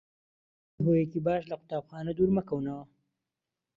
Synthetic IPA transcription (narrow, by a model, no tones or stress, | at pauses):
ɦojekibɑːʃlaqʊ̥t̪ɑːbxɑːnad̪uɾmakawna